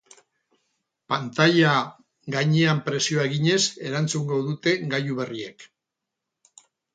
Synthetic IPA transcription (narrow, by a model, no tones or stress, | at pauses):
pant̪aʎa | ɣaɲeampɾe̞sioaeɣiɲe̞se̞ɾant͡suŋɡo̞ðut̪e̞ɡajuβe̞rie̞̰k